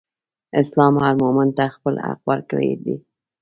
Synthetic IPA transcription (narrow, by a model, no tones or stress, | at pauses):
ɪslɑmhɑɾmomant̪axpəla̰qwəɾkəɽḛd̪i